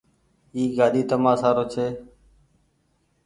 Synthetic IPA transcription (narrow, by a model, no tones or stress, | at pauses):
iːɡaːɗiːt̪əmãːsaːɾoːt͡ʃʰeː